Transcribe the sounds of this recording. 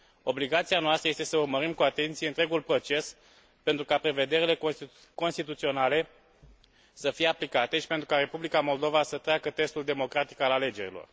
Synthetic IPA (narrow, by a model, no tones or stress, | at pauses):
o̞bliɡat̪sianoast̪ɾəjest̪e̞səurməɾimkuat̪e̞nt̪sijeɨnt̪ɾe̞ɡulpɾo̞t͡ʃe̞s | pe̞nt̪ɾukapɾe̞ve̞d̪e̞ɾile̞k | ko̞nst̪it̪ut̪sio̞nale̞ | səfije̞aplikat̪e̞ʃipent̪ɾukaɾe̞publikamo̞ld̪o̞vasət̪ɾeakət̪e̞st̪uld̪e̞mo̞kɾat̪i̥kalale̞d͡ʒe̞ɾilo̞̰r